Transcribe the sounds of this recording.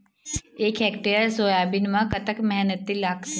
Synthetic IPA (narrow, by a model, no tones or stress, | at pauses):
eːkɛːkʈeəɾsoːjaːbɪnmãkɐt̪əkmɛɦnət̪ːilaːk